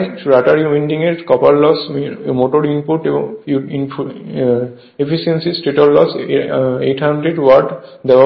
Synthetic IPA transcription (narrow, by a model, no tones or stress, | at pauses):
ɾaʈaɾiwĩɳɖiŋet̪ʰkɔpaɾlɔsmoʈoɾimpuʈi | epʰisiensisʈeʈɔllɔs | ḛʈʰhaɳɖɾeɖwɔʈd̪ɛa